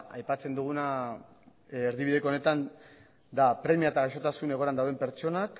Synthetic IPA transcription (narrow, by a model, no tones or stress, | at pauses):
a̰jpat͡se̞nd̪uɣ̞una | ɾðiβiðe̞kone̞t̪an | d̪apɾe̞miaet̪aɣaʃo̞t̪asune̞ɣ̞o̞ɾand̪awðe̞mpe̞ɾt͡ʃo̞nak